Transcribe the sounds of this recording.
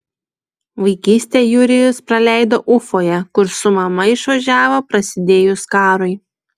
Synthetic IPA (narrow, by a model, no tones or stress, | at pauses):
ʋɐɪkʲiːsʲt̪ʲeːjuɾʲɪjʊspɾɐlʲæˑɪd̪oːʔʊfoːjɛkʊɾsʊmɐmɐɪʃʋɐʒʲæːʋoːpɾɐsʲɪd̪ʲeːjʊskɑːɾɔɪ